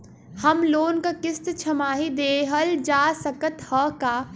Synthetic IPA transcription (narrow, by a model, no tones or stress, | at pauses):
həmloːnkakɪst̪t͡ʃʰəmaːɦid̪eːɦəld͡ʒaːsəkət̪həkaː